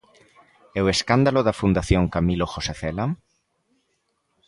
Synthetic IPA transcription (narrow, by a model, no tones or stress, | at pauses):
ɛweskand̪aloðafund̪aθjoŋkamiloxoseθela